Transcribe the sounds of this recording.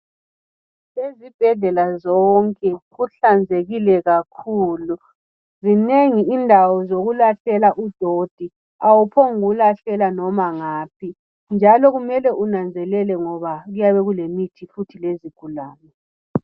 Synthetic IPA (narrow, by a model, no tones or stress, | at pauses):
lezib̥ʱɛɮɛlazɔŋkʼɛɣuɬand͡zʱeɣilɛɣakʰuːlu | zineŋiːndʱawɔzoɣulaɬɛlaʔud̥ʱod̥ʱi | awupʰoŋɣulaɬɛlanɔmaŋaːp̚ʰi | nd͡ʒʱalɔɣumɛlɛʔunand͡zʱɛlɛlɛŋɔβaɣujaβɛɣulemitʰifutʰileziɡ̥ʱulaːmɛ